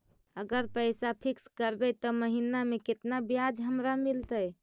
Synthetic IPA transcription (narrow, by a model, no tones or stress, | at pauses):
əɡəɾpəjsapʰikskəɾbɛt̪ɔməɦinameket̪nabjad͡ʒɦəmɾamilt̪əj